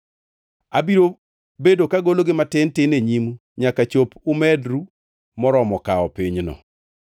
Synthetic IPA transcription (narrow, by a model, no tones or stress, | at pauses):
abiɾo | bedokaɡoloɡɪmatɪntɪneɲimu | ɲakat͡ʃopʊmɛdɾu | mɔɾɔmɔkaɔpiɲnɔ̰